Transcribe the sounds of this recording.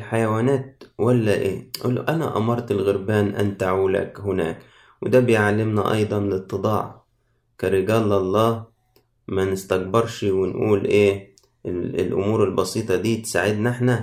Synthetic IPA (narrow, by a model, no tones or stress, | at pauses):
lħajawaːnæːt̪̚wælːæʔeːʔul̰ʔænæ̰ʔɑ̰mɑɾˤt̪ɪlɣʊɾbæːnʔant̪aʕuːla̰khɪnæ̰ːk | wɪd̪æːbɪjʕalːɪmna̰ʔɑ̰jd̪ˤɑnlɪt̪ˤːɨd̪ˤɑːʕ | kaɾɪɡæːlːɑlˤːɑː | mænɪst̪aɡ̚bɪɾˤʃwɪnʔuːlʔeː | ɪ̰lʔʊ̰muːɾɪlbɑsiːt̪ˤɑd̪iːt̪saʕɪd̪nɪħna